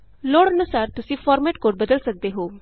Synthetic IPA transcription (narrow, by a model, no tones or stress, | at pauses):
loːɽənusaːɾt̪ʊsĩːfɔːɾmeʈkoːɾbəd̪əlsək̚d̪eɦoː